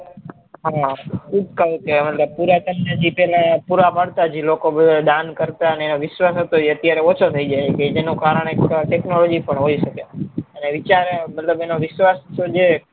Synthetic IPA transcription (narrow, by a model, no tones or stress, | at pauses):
ɦakub̚kəɦukemət̪ləb̚puɾat̪əmned͡ʒipɛlãpuɾapəɽt̪ad͡ʒilokobəd̪ʱad̪ankəɾt̪aəneenoʋɪʃʋasət̪oeət̪jaɾeot͡ʃʰot̪ʰəid͡ʒajeked͡ʒenũkaɾəɳ̃ekʈeknolod͡ʒipəɳɦoiʃəkeəneʋɪt͡ʃaɾmət̪ləbenoʋɪʃʋast̪od͡ʒe